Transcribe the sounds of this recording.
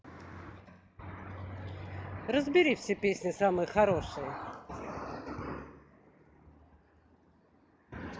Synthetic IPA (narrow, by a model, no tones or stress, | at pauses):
rəzbʲɪɾʲifsʲepʲesʲnʲɪsamɨjəxɐɾo̞ʂɨjə